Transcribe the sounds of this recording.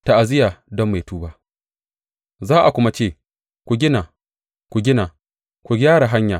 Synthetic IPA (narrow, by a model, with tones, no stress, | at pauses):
ta˨ʔa˨zɪ˦jaː˨dɔ˦mːa˨jtuː˦baː˦ʔ | zaː˦ʔa˨kʷʊ˦ma˦t͡ʃeː˦˨ | kʷu˨ɡʲɪ˦naː˨ | kʷu˨ɡʲɪ˦naː˨ | kʷu˨ɡʲaː˦ɽa˨ɦa˦ɲjaː˨